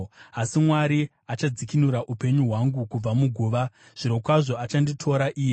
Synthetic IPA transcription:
asimwaɾi | at͡ʃad͡zikinuɾaʔupe̞ɲuɦwaŋɡukub͡vamuɡʱuːʋa | ʐ̥iɾo̞kwaʐo̞at͡ʃanditʰo̞ɾaʔiːje

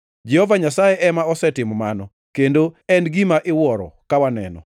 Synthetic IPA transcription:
d͡ʒɛhɔvaɲasajeʔɛmaɔsɛtɪmmanɔ | kendoɛnɡimaʔɪwɔɾɔ̰kawanɛ̰nɔ̰

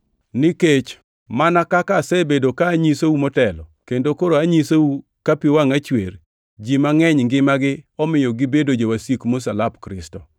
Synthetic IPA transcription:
nɪket͡ʃ | manakakasɛbedokaːɲisoumɔtɛlɔkendokoɾoaɲisou | kapiwaŋat͡ʃwer | d͡ʒimaŋɛɲŋɡɪmaɡɪɔmɪjɔɡɪbedod͡ʒewasikmosalapkɾɪstɔ̰

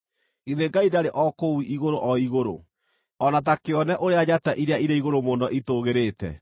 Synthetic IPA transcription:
iðeɡaidaɾeʔɔkouʔiɣoɾoʔɔiɣoɾo̰ | ɔnat̬akeɔnɛʔoɾead͡ʑataʔiɾejaiɾeiɣoɾomondɔʔitoɣeɾetɛ̰

